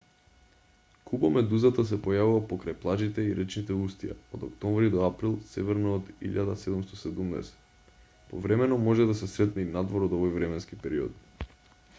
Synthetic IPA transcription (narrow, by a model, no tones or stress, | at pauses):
kubomɛd̪uzat̪as̬ɛpojavuvapokɾajplˠaʒit̪ɛiɾʔɛt͡ʃnit̪ɛust̪ia̰od̪okt̪ɔmvɾid̪ɔapɾilˠsɛvɛɾnoːd̪ḭʎad̪asɛd̪umst̪oɔsɛd̪umnɛ̰sɛ̥t̪ | povɾɛmɛnɔmɔʒɛd̪asɛsɾɛt̪nɛinad̪voɾod̪ovɔjvɾɛmɛnskipɛɾiɔ̰t̪